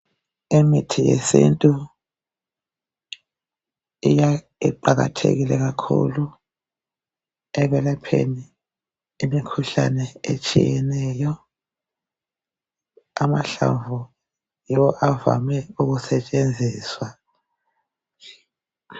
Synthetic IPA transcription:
imitʰijḛsḭntʼu | ija | iǃaɣa̰tʰḛɣilɛɣakʰṵlu | ɛβɛlapʰḛni | imikʰuɬanɛet͡ʃʼḭjɛnɛjɔ | amaɬaɱvʱu | jiwɔʔava̰mɛuɣusɛt͡ʃʼend͡zʱiːswa

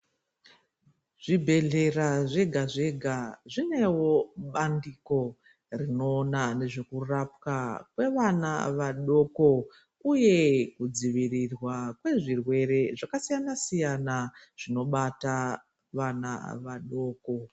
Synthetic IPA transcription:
ʐ̥ibʱe̞ɮe̞raʐe̞ɡʱaʐe̞ɡʱaʐine̞wo̞ɓandiko̞ | rino̞ːnane̞ʐe̞kurap̚kakwe̞ʋana̰ʋaɗo̞ko̞ | uje̞kud͡ziʋirirwakwe̞ʐirwe̞ɾe̞ʐakasijanasijana | ʐ̥ino̞ɓata | ʋana̰ʋaɗo̞ːko̞

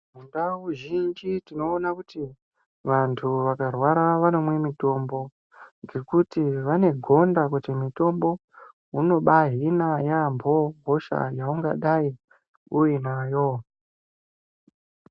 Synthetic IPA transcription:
mundawuʒind͡ʒitino̞ːnakuti | ʋantʰuʋakarwaɾaʋano̞mwe̞mito̞mbo̞ | ŋɡe̞kutiʋane̞ɡʱo̞ndakutimito̞mbo̞ | uno̞ɓaɦinajambʱo̞ɦoʃa̰jauŋɡa̰ɗai | ujinajo̞

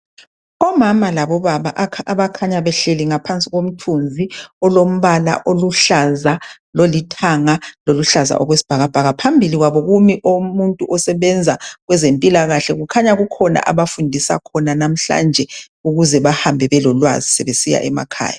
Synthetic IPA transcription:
ɔmamalaβɔβaβaʔkʰaβakʰaɲaβɛɬeliŋapʰant͡sʼiɣom̩tʰund͡zʱiɔlom̩βala̰ʔoluɬaza | lolitʰaŋaloluɬaza̰ʔɔɣwesi̥b̥ʱaɣab̥ʱaɣapʰambʱiliɣwaβɔɣumiʔomuntʼuʔɔsɛβɛnd͡zʱaɣwɛzempʼilaɣaɬɛɣukʰaɲaɣukʰɔna̰ʔaβafundʱisa̰kʰɔnanam̩ɬa̰nd͡ʒʱɛ | uɣuzɛβahambʱɛβɛlɔlwa̰zisɛβesija̰ʔɛma̰kʰa̰ːja

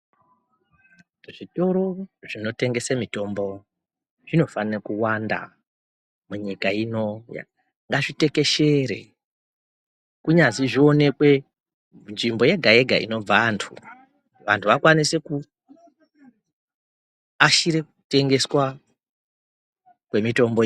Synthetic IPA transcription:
ʐito̞ɾo̞ʐ̥ino̞te̞ŋɡesamito̞mbo | ʐ̥ino̞fanakuwanda̰ | muɲikaino̞ja̰ | ŋɡaʐite̞keʃe̞ɾe̞̰ | kuɲaziʐio̞ne̞kwe̞ | nʐimbo̞je̞ɡʱae̞ɡʱa̰ḭno̞b͡vantʰu | ʋantʰuʋakwanise̞ku | aʃiɾe̞kute̞ŋɡe̞swa | kwe̞mito̞mbo

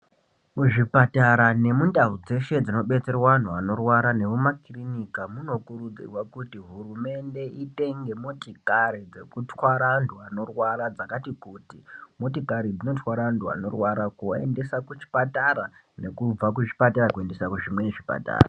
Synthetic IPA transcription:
muʐipataɾane̞mundarud͡ze̞ʃe̞d͡zino̞ɓe̞t͡se̞rwaan̤uano̞rwaɾane̞ʋumakrinikamuno̞kuɾud͡zḭrwakutiɦurume̞nde̞ʔite̞ŋɡe̞motikaɾid͡ze̞kutwaɾanduano̞rwaɾad͡zakatikutimotikaɾid͡zino̞twaɾandʱua̰no̞̰rwaɾakoe̞̰nde̞sakut͡ʃi̥pataɾa | ne̞kub͡vak̬ut͡ʃi̥pataɾakue̞nde̞sakuʐimwe̞neʐipa̰ta̰ːra

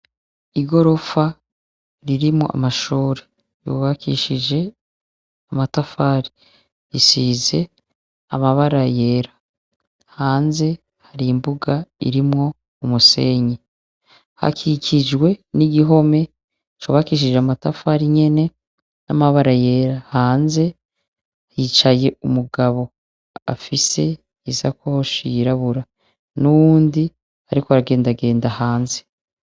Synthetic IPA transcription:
iɡo̞ɾo̞fa | ɾiɾimŋo̰ʔa̰maʃuːɾe | ɾṵβakʰḭːʃid͡ʒe̞ | amatafaːɾi | ɾisize̞ | amaβaɾaje̞ːɾa | haːnze̞ | haɾimbuɡaḭɾimŋo̞ | umuse̞ɲe | ha̰kʰikʰid͡ʒɡwe̞niɡiɦo̞me̞ | t͡ʃuβakiʃiʒamatafaɾiɲe̞ne̞ | namaβaɾaje̞ɾahaːnze̞ | it͡ʃaje̞umuɡaβo̞ | a̰fise̞ | izakohoʃiiɾaβuɾa | nuβuːndi | aɾikoaɾaɡe̞ːndaɡe̞ːndahaːnze̞

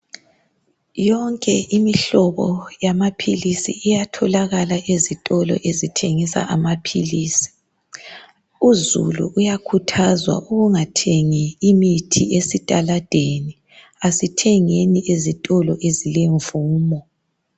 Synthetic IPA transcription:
jɔŋkʼɛʔimiɬɔβɔjamapʰilisḭːjatʰɔlaɣalaʔezitʼɔlɔ̰ʔezitʰeŋisa̰ʔamapʰilisi̥ | uzṵlṵʔujakʰutʰazwa̰ʔuɣuŋatʰeŋiimitʰḭesitʼalad̥ʱeni | asitʰɛŋeniʔezitʼɔlɔʔezileɱvuːmɔ

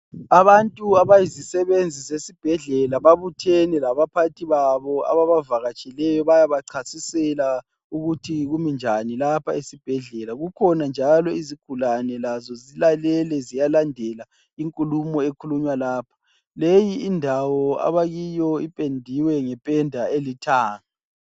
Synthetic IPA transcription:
aβantʼuaβajizisɛβend͡zʱizesib̥ʱɛɮɛlaβaβutʰɛnɛlaβapʰatʰiβaβɔa̰βaβavaɣat͡ʃʼilɛjɔβajaβaǀʰasisɛla | uɣutʰiɣumind͡ʒʱanilapʰaesib̥ʱɛɮɛlaɣukʰɔnand͡ʒʱalɔiziɡ̥ʱulanɛlazɔzilalɛlɛzijalandʱɛla | iŋkʼulumɔekʰuluɲwalaːpʰḁ | lejiːndʱawɔa̰βaɣijɔipʼendʱiwɛŋɛpʼɛndʱaelitʰaːŋa

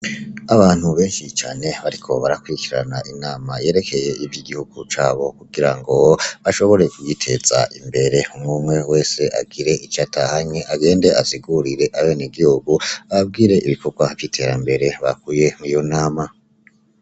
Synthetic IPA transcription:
aβaːn̥huβe̞ːnʃit͡ʃa̰ːne̞βaɾikʰo̞βaɾakwuikiɾa̰naʔinaːmaje̞ːɾe̞kʰe̞je̞ivjiɡihuɡ̥ut͡ʃaːβo̞kuɡ̥iɾaŋɡo̞βaʃo̞βo̞ɾe̞kujitʰe̞z̥a̰ʔimbe̞ɾe̞umŋumŋe̞we̞ːse̞ʔa̰ɡiɾe̞ʔit͡ʃatʰahaɲeʔaɡe̞ːnde̞ʔaziɡuɾiɾe̞ʔawoniɡihuɡuaβab̚ɡiːɾe̞ʔiβiko̞ɡwavjitʰe̞ɾambe̞ɾe̞βa̰kuːje̞mijo̞naːma

